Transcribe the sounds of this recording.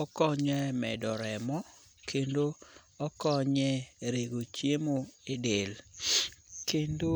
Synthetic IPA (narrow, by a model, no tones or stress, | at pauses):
ɔkɔɲɛmɛ̰dɔɾɛmɔ | kʰendo | ɔkɔɲɛɾeɡot͡ʃjemoedel | kendo